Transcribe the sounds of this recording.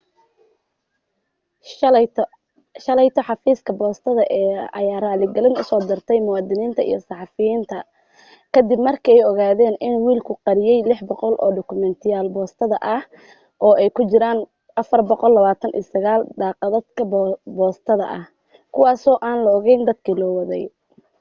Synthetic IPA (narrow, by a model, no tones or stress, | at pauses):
ʃɐlɛjt̪ʰɔħɑfiːskʰɐbɔːst̪ʰɐðɐʔɛːɐ̰jaːraːlɪɡɐlɪnʊsɔːd̪ɪrt̪ʰɛjmʊwɑːd̪ɪniːnt̪ʰɐḭjɞsɑħɑfɪjiːnt̪ʰɐ | kʰɐd̪ɪbmɐrkʰɐɛjɔɣaːðɛːnʔɪnuwiːlkʰʊqɑɾɪjɛjlɪħbɔqɔlʔɔ̰ːɖʊkʰʊmɛnt̪ʰɪjaːlbɔːst̪ʰɐðɐʔɐh | ʔɔːʔɛjkʰʊt͡ʃɪɾaːn | ʔɐfɐrbɔqɔlːɐβaːt̪ʰɐnʔḭsɐɣaːld̪aːqɑðɐd̪kʰɐbbɔːst̪ʰɐðɐ̰ʔɐ̰h | kʰʊwɑːsɔːʔaːnlɐɔɣɛjnd̪ɐd̪kʰiːlɔːwɐðɛj